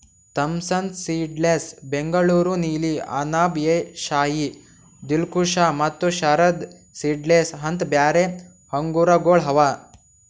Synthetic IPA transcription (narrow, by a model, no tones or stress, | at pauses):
t̪ɐmsɐnt̪siːɖleːsbeŋɡɐɭuːɾuniːlia̰ːnaːbjeʃaːji | d̪ilkuʃaːmɐt̪ːuʃɐɾɐd̪ | siːɖlesɦɐnt̪bjaːɾe | hɐŋɡuɾɐɡoːɭɦɐʋa